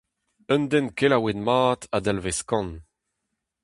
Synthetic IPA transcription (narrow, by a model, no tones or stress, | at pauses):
œ̃nd̪ɛnkelawenmaːt̪ad̪alveskɑ̃n